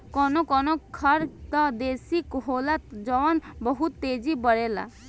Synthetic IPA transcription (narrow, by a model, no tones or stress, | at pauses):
kɔnɔkɔnɔkʰɔɾt̪ɔd̪esikɦolat̪d͡ʒɔwanbɔɦut̪ːed͡ʒibɔɽela̰